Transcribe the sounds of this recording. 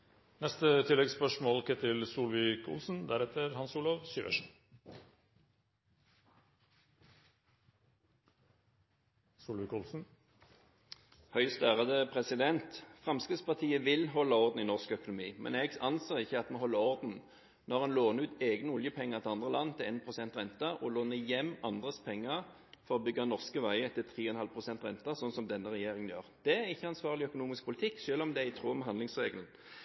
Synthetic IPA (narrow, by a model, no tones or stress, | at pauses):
nɛst̪ət̪ʰɪlːɛɡspœʂmɔːlkʰɛt̪ɪlsuːlʋɪkʊ̰lsn̩d̪æɾɛt̪əɾhɑnsuːlɔʋsyːʋə̰ʂʉ | suːlʋɪːkʊlsn̩ | hœʏst̪æːʁəd̪əpʰʁɛsɪd̪ɛnt̪fʁɑmskʁɪːt̪spɑʁt̪ʰiːəʋɪlɦɔlːɑɔʁd̪n̩ɪnɔʁskœkʊnʊmiːmɛ̰nɛɡɑnseːʁɪçːəɑt̪mɛɦɔlːəɔʁd̪n̩ | nɔʁɛnloːnəʉːt̪eːɡnəʊljəpʰɛŋːəʁt̪ʰɪɑnd̪ʁəlɑnːt̪ʰɪleːnpʰʁʊsɛnt̪ʁɛnt̪ɑɔloːnəjɛmːɑnd̪ʁəspʰɛŋːəʁ | fɔʁɔbʏɡːɑnɔʁskəʋæɪət̪ʰːɪlt̪ʰʁiːɔɛnhɑlpʰʁʊsɛnt̪ʁɛnt̪ɑsɔnːsɔmd̪ɛnːəʁɛjeːʁɪŋənjøːʁd̪̥ɛæʁɪçːəɑnsʋɑːʁlɪœkʊnuːmɪsk̚pʰʊlɪt̪ʰɪkːʃøːlɔmd̪ɛæɪt̪ʰʁuːmɦɑnd̪lɪŋsʁeːɡəln̩